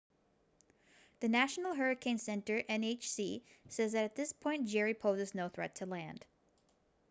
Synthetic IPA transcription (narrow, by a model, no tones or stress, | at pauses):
ðɨnæʃn̩l̩ˠɦɜ˞ɨkʰẽɪ̃nsɛ̃ntə˞ʔɛ̃neɪt͡ʃsisɛzðɨɾɨt̪̚ðɪspʰɔ̃ɪ̃n̚d̥ʒ̥ɛɹipʰoʊzɨznoʊθɹɛ̰tʰəlæ̃nd̥